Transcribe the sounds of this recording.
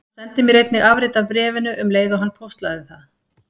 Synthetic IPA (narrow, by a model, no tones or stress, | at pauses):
sɛnt̪ɪmiɾejt̪nɪɣʔavɾɪjt̪avpɾɛːvɪnʏʔʏmleːjðʏɦanːpʰowst̪laðɪθað